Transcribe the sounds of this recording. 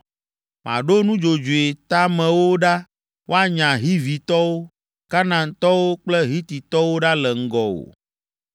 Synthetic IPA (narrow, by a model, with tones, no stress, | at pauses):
mã̰˨ɖo˦nũ˦d͡ʒo˨d͡ʒu˨e˨t̪a˦mɛ̃˨wo˦ɖa˦ | wʔo˦a˦ɲã˨ɦi˦vi˨t̪ɔ˦wo˦ | ka˦nã˨t̪ɔ˦wo˦k͡plɛ˦ɦi˦t̪i˨t̪ɔ˦wo˦ɖa˦lɛ˨ŋ̩˦ɡɔ˨wo̰˨